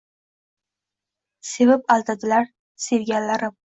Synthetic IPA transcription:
sevɪpɑlˠd̪ad̪ɪlaɾ | sevɡʲalːaɾɪm

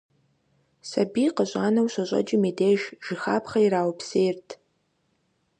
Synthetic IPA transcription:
sɐbiːqəʑʼaːnɐwɕɐɕʷʼɐ̰d͡ʒɪmeːdeːʒʒ̥ɪxa̰ːpχɐiɾaːwpsejrtʰ

